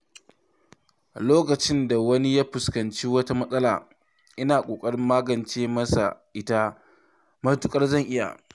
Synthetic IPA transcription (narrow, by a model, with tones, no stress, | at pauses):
loː˦kɐ˨t͡ʃɪ˦nda˨wɐ˦ni˦jaː˦ɸʊ˨skɐ˨nt͡ʃiː˦wɐ˦ta˦mɐ˦sʼɐ˦la̰ː˨ | ʔɪ˦naː˨kʷʼoː˨kʼɐ˦ɽɪ˦mːaː˦ɡɐ˨nt͡ʃeː˦mɐ˦sa̰˨ʔɪ˦ta˦ | mɐ˦tʊ˦kʼɐ˦rzɐ˦˨ŋʔɪ˦ja̰˨